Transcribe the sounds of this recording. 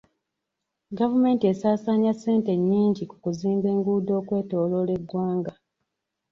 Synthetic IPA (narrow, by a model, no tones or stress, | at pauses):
ɡavume̞ːntie̞saːsaːɲase̞ːnte̞ɲːiːɲɟiku̥kuziːmbe̞ːŋɡuːdo̞ːkwe̞ːto̞ːlo̞le̞ɡːwaːŋɡa